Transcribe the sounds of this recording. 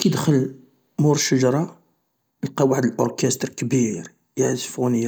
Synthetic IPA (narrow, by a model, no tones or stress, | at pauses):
kid̪əxəl | muɾəʃəʒɑɾˤɑ | əlqɑwaʕəd̪əlʔoɾkæst̪ɾkəbiɾ | jaʕzfunəja